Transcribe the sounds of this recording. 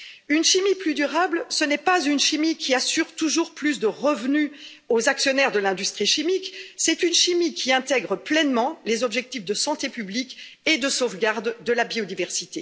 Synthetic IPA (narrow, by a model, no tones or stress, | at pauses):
ynʃimiplyd̪yʁablsənɛpazynʃimikʲʰiasyʁt̪uʒuʁplys̬d̪əʁəvny | ozaksjɔnɛʁd̪əlɛ̃d̪yst̪χiʃimiksɛt̪ynʃimikʲʰiɛ̃t̪ɛɡʁəplɛnmɑ̃lezɔbʒɛk̚t̪ifd̪əsɑ̃t̪epyblik | ed̪əsovɡaʁd̪ːəlabiod̪ivɛʁsit̪e